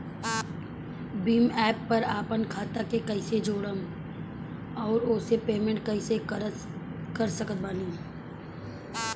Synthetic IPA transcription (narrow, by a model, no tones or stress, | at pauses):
biːmɛːpːɐɾaːpənkʰaːt̪akekɐɪsed͡ʒoːɽəm | ɔːɾʊːsepeːmẽɳʈkɐɪse | kəɾsəkət̪̚baːniː